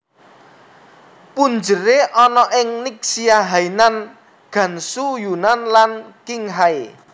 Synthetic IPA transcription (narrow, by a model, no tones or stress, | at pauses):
pund͡ʒəɾeʔɔnɔʔɪŋniksiaɦainan | ɡ̥ä̤nsujunanlankiŋɦae